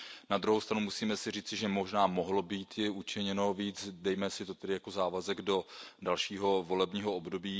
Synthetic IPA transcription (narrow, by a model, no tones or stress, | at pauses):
nad̪ɾuɦowst̪ɾanumusiːmɛsɪriːt͡sɪʒɛmoʒnaːmoɦlo̞biːt̪jɪut͡ʃɪɲɛno̞viːd͡zdɛjmɛsɪt̪ot̪ɛdɪjakozaːvazɛɡdo̞dalʃiːɦo̞vo̞lɛbɲiːɦoobdo̞biː